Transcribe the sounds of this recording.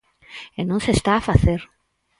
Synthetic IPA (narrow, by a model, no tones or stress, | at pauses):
enõnsest̪aːfaθeɾ